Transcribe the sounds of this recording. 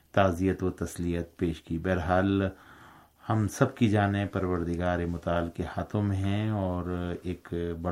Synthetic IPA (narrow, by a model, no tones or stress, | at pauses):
t̪aːzijət̪wot̪ɐslijət̪̚peːʃkibɛːɾɦaːl | hɐmsɐbkid͡ʒaːnepɐɾʋəɾd̪ɪɡaːɾemʊt̪aːlkehaːt̪ʰõmẽɦɛ̃ɔːɾeːkbɐ